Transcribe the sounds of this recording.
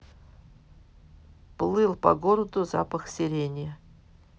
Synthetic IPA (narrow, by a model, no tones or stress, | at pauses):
plˠɨlˠpɐ̰ɡoɾəd̪ʊza̰pəxsʲɪɾʲenʲɪjə